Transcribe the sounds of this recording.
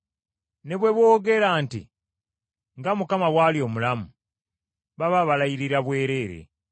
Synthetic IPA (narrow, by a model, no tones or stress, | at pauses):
ne̞βwe̞βwo̞ːɡe̞ɾaːntḭ | ŋɡamukamawaːljo̞ːmulamu | βaβaβalajiɾiɾaβwe̞ːɾe̞ːɾḛ